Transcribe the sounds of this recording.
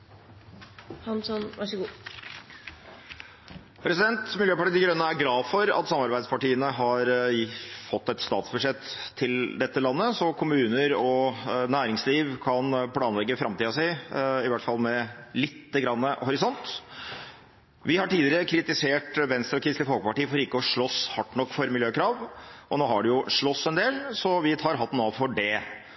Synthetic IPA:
hɑnsɔnʋæʂəɡuː | pʰɾɛsɪd̪ɛnt̪mɪljøːpɑʈiːd̪ɪɡɾœnːəæɾɡlɑːfɔɾɑ̰t̪sɑmɑɾbæɪd̪spɑʈiːənəɦɑɾ | fɔt̪ːɛt̪st̪ɑ̰ːt̪sbʉʂɛt̪ʰːɪld̪ɛt̪ːəlɑnːəsɔkʰʊmʉːnəɾɔnæːɾɪŋsliːʋkʰɑnpʰlɑːnlɛɡːəfɾɑmt̪iːɑsæɪɪʋæʈfɑlːˠmɛlɪt̪ːəɡɾɑnːəhʊɾɪsɔnt̪ | ʋɪhɑʈiːd̪ɪɾəkʰɾɪt̪ɪseːʈʋɛnst̪ɾɔkʰɾɪst̪ɪfɔlɡəpɑʈiːəfɔɾɪkːəɔʂɭɔshɑʈːɳɔkːfɔɾmɪljøːkʰɾɑːʋʔɔnoːhɑɖɛjʊʂɭɔsːɛnd̪eːlsɔʋɪt̪ʰɑːɾɦɑt̪ːnoːʋfɔɖɛ

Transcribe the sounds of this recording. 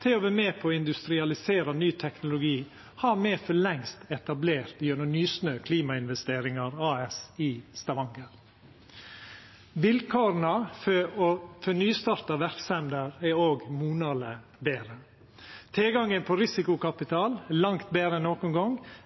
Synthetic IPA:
t̪ʰɪɔʋæːmeːpʰɔɪnd̪ʉst̪ɾɪɑlɪseːɾɑnyːt̪ʰɛknʊlʊɡiː | hɑːɾmeːfɔɭɛŋst̪ɛt̪ɑbleːɾt̪bjœnɔmnyːsnøːkʰliːmɑɪnʋɛst̪eːɾɪŋɑɾɑːɛsɪst̪ɑʋɑŋɡəɾ | bɪlkʰoːɾnɑ | fœnyːst̪ɑːɾt̪ɑʋæɾksɛmd̪əɾɛoːɡmuːnɑlə | beːɾə | t̪ʰɛlɡɑŋənpʰɔɾɪsɪkʊkɑpɪt̪ʰɑːlɛlɑŋt̪̚beːɾəɛnːoːkʊnɡɔŋ

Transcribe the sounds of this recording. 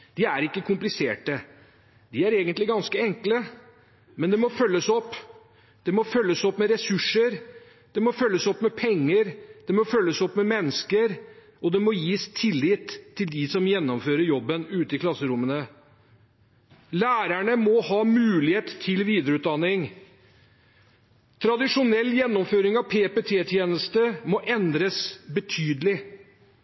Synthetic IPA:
d̪̥ɪæɾɪkːəkʰʊmplɪseːʈə | d̪ɪæɾeːɡənt̪lɪɡɑnskəɛŋklə | mɛnd̪ɛmɔfœlːəsɔpː | d̪̥ɛmɔfœlːəsɔpːmɛɾɛsʉʂəɾ | d̪̥ɛmɔfœlːəsɔpmɛpʰɛŋːəɾd̪̥ɛmɔfœlːəsɔpːmɛmɛnːəskəɾ | ɔd̪ɛmɔjiːst̪ʰɪlːɪt̪ʰːɪld̪ɪsɔmjɛnːɔmføːɾəɾjɔbːənʉːt̪əɪkʰlɑsːəɾʊmːənə | læːɾæɳəmɔhɑːmʉːlɪheːt̪t̪ʰːɪlʋiːd̪əɾəʉːt̪̚d̪ɑnːɪŋ | t̪ʰɾɑd̪ɪʂʊnɛlːjɛnːɔmføːɾɪŋɑʋpʰeːpet̪ʰeːt̪ʰjeːnəst̪əmɔʔɛnd̪ɾəsbət̪ʰyːd̪əlɪ

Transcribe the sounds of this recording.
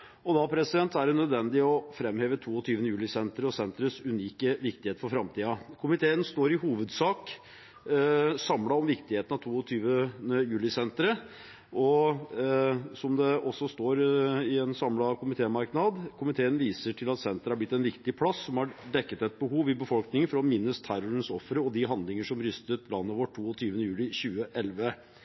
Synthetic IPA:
ɔd̪ɑpʰɾɛsɪd̪ɛnt̪æɖɛnœd̪ʋɛnd̪ɪɔfɾɛmheːʋət̪ʰuːɔt̪ʰyːʋənəjʉːlɪsɛnt̪ɾəɔsɛnt̪ɾəsʉniːkəʋɪkt̪ɪheːt̪əfɔɾfɾɑmt̪ʰiːɑkʰʊmɪt̪ʰeːənst̪oːɾɪhuːʋəd̪sɑːk | sɑmlɑɔmʋɪkt̪ɪheːt̪ənɑʋt̪ʰuːɔt̪ʰyːʋənəjʉːlɪsɛnt̪ɾə | ʔɔ | sɔmd̪ɛɔsːɔst̪oːɾɪɛnsɑmlɑkʰʊmɪt̪ʰeːmɑɾknɑd̪kʰʊmɪt̪ʰeːənʋiːsəʈʰɪlɑt̪sɛnt̪əɾəhæɾblɪt̪ːɛnʋɪkt̪ɪpʰlɑsːɔmhɑɖɛkːət̪ɛt̪̚bəɦuːʋɪbəfɔlknɪŋənfɔɾɔmɪnːəst̪ʰæɾɔɾənsɔfɾəɔd̪ɪɦɑnd̪lɪŋəʂɔmɾʏst̪ət̪̚lɑnːəʋɔʈʰːuːɔt̪ʰyːʋənəjʉːlɪɕʉːəʔɛlʋə

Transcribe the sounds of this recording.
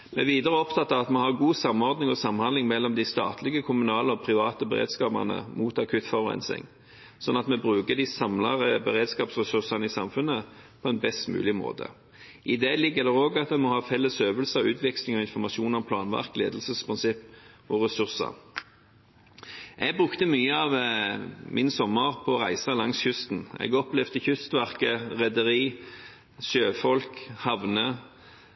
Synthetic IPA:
mɛɛʋiːd̪əɾəɔpt̪ʰɑt̪ːɑɑt̪mɛhɑʁɡuːsɑmːɔʁd̪nɪŋɔsɑmhɑnd̪lɪŋmɛlːɔmd̪ɪst̪ɑ̰ːt̪ʰlɪɡəkʰʊmʉnɑːləɔpʰɾɪʋɑːt̪əbɛ̰ʁḛːd̪skɑːbɑ̰nə̰muːt̪ɑkʰʉt̪fɑʋʊʁɛ̰nsɪ̰ŋ | sɔnːɑt̪mɛbʁʉːkəd̪ɪsɑmlɑ̰ʁəbɛʁeːd̪skɑːpsʁɛsʉʁsɑnəɪsɑmfʉnːəpʰɔɛnbɛst̪mʉ̰ːlɪmo̰ːd̪ə̰ | ʔɪd̪ɛlɪɡːəd̪ɛʁoːɡɑt̪̚d̪ɛnmɔhɑːfɛlːəsøːʋəlsəʉːt̪ʰʋɛkslɪŋɔɪnfɔʁmɑʃuːnɔmpʰlɑːnʋæ̰ʁklḛːd̪lsəspʰʁɪnsɪpː | ɔʁɛsʉʁsɑ̰ | ʔɛɡ̚bʁʉkt̪əmyːəɑʋ | mʔɪnsɔmːəʁpʰɔʁæɪsɑlɑŋsçʉst̪n̩ɛ̰ɡɔplɛʋd̪əçʏst̪ʋæʁkəʁɛd̪əʁiː | søːfɔlkhɑʋnə

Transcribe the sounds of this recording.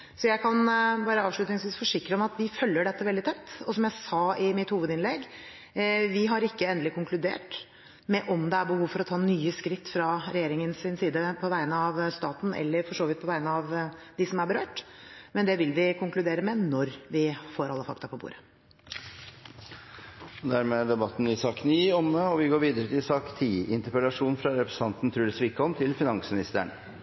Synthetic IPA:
sɔjæɪkʰɑnbɑːɾəɑːʋʂɭʉt̪nɪŋsʋiːsfɔʂɪkːɾəɔmɑt̪ʋɪfœlːəɖɛt̪ːəʋɛld̪ɪt̪ʰɛpt̪ːɔsɔmjæɪsɑɪmɪt̪huːʋəd̪ɪnlɛɡ | ʋɪɦɑɾɪkːəɛnd̪əlɪkʊŋklʉd̪ḛːʈ | mɛʔɔmd̪ɛæɾbəhuːʋfɔɾɔt̪ʰɑːnyːəskɾɪt̪ːfɾɑɾɛjeːɾɪŋənsɪnsiːd̪əpʰɔʋæɪənəɑʋst̪ɑːt̪n̩ɛ̰lːəɾfɔʂoːʋɪt̪̚pʰɔʋæɪnəɑʋd̪ɪsɔmæɾbəɾøːʈmɛnd̪ɛʋɪlʋɪkʰʊŋklʉd̪eːɾəmɛnɔɾʋɪfoːɾɑlːəfɑ̰k̚t̪ɑpʰɔbṵːɾə | d̪æɾmeːd̪ɛbɑt̪ːn̩ɪsɑːkniːɔməɔʋɪɡoːɾʋiːd̪əɾət̪ɪsɑːkt̪ʰiːɪnt̪əɾpɛlɑʂuːnfɾɑɾɛpɾɛ̥sɑnt̪n̩t̪ʰɾʉːləsʋɪkːɔmt̪ʰɪlfɪnɑŋsmɪnɪst̪əɳ

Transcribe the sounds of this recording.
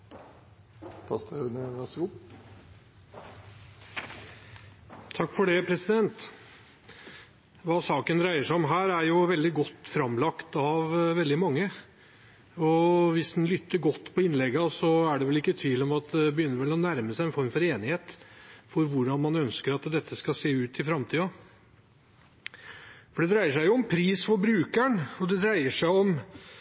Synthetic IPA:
p̪ʰɑst̪ənɑsɡu | t̪ʰɑkːfɔɖɛpʰɾɛsɪd̪ɛnt̪ | ʋɑːsɑːkənd̪ɾæɪəʂæɪɔmɦæːɾæɾjʊʋɛld̪ɪɡɔt̪ːfɾɑmlɑkt̪ɑʋʋɛld̪ɪmɑŋːə | ɔʋɪsd̪nlʏt̪ːəɾɡɔt̪ːpʰɔɪnlɛɡɑsɔæɖɛʋɛlɪkːət̪ʰʋiːlɔmɑt̪̚d̪ɛbəjʏnːəɾʋɛlɔnæɾməsæɪɛnfɔɾmfɔɾeːnɪheːt̪fɔɾʋʊɖɑnmɑnœnskəɾɑt̪d̪ɛt̪ʰːəskɑseːʉːt̪ɪfɾɑmt̪ʰiːɑ | fɔɖɛd̪ɾæɪəʂæɪjʊɔmpʰɾiːsfɔbɾʉːkæɳɔd̪ɛd̪ɾæɪəʂæɪɔm

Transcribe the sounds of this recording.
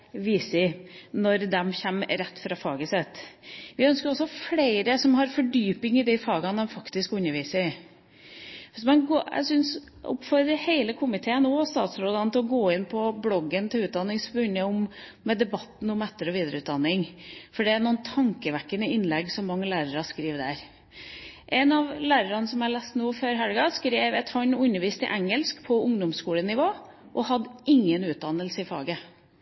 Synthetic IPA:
ʋiːsɪnɔɾd̪ɛmçɛmɾɛt̪ːfɾɑfɑːɡəsɛt̪ːʋɪœnskəɾɔsːɔfleɪɾəsɔmɦɑɾfɔɖyːpɪŋɪd̪æɪfɑːɡɑnd̪ɛmfɑkt̪ɪskʉɲːəɾʋiːsə | ʋɪsmɑnɡoːæ̰sʏns | ʊ̰pfɔɾɾəɾheɪləkʰʊmɪt̪ʰeːənoːst̪ɑ̰ːt̪sɾoːd̪ɑnət̪ʰɪlɔɡoːɪnpʰɔblɔɡːənt̪ʰɪlʉːd̪ɑnːɪŋspnːəʊmmːɛd̪ɛbɑt̪ːn̩ɔmɛt̪ːəɾɔʋiːd̪əɾəʉːt̪̚d̪ɑnːɪŋfɔɖɛænuːənt̪ʰɑŋkəʋækːənəɪnlɛɡsɔmːɑŋːəlæːɾəɾɑskɾiːʋd̪æɾ | ʔɛnɑʋlæːɾəɾɑnəsɔmhɑɭæːst̪noːføːɾɦælɡɑskɾeːʋɛt̪hɑnːʉnːəɾʋiːst̪ɪ̰ʔæŋəlskpʰɔʊŋd̪ʊmskuːlənɪʋoː | ʔɔhɑd̪ɪŋːənʉːt̪̚d̪ɑnəlsɪfɑ̰ːɡə

